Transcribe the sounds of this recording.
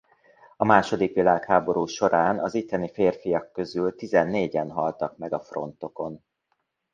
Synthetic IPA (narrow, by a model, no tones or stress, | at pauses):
ɒmaːʃo̞d̪ikʋilaːkhaːbo̞ɾuːʃo̞ɾʔaːnɒzit̪ːɛnifeːrfijɒkːø̞zylt̪izɛnːeːɟɛnɦɒlt̪ɒkmɛɡɒfro̞̰nt̪o̞ko̞n